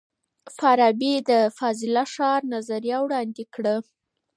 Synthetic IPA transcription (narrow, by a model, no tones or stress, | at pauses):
faɾɑbid̪əfɑzɪlaʂɑɾnazaɾjɑwɽɑnd̪ekɽə